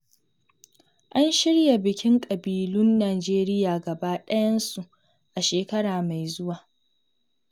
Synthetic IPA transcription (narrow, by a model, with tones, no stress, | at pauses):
ʔa˦nʃɪ˦ɽja˨bɪ˨kʲɪ˦ŋkʼɐ˨biː˨lʊ˦nːaː˨d͡ʒeː˦ɾɪ˦jaː˨ɡɐ˨ba˦ɗɐ˦jɐ˦nsu˨ʔ | ʔa˨ʃeː˨kɐ˦ɽaː˨ma˨jzʊ˦waː˨